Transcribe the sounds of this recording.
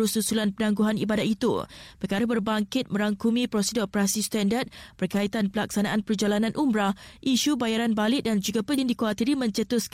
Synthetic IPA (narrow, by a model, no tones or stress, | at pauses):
ususulanpənãŋɡuɦanibadat̪ʔ̪it̪ṵpərkaɾabərbaŋkɪt̪̚mə̃ɾaŋkumĩpɾosidɔopəɾasist̪andat̪̚b̥ərkait̪anpəlaksanaʔanpərd͡ʒalanãnʔumbɾahʔiʃubajaɾanbalɪʔ̚dand͡ʒuɡapəlŋdikoat̪iɾimə̃ɲt͡ʃət̪ʊs